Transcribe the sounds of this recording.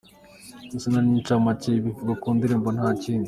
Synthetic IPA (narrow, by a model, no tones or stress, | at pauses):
usenanĩːnt͡ʃamaciβiɡakuːnd̪iɾembon̥haːciːni